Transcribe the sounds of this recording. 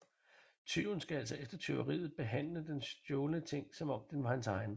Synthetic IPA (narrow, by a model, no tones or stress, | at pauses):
t͡sʰyʊn̩sɡ̥ææl̰sɒ̽efd̥ɐt͡sʰe̝o̰ʊʁḭːð̩ˠb̥e̝ɦæn̰ləd̥ensd̥jɔːlənət͡sʰe̝ŋ̰sɒ̽mɒ̽m̰d̥enʋɑ̈hænsɑ̈ɪn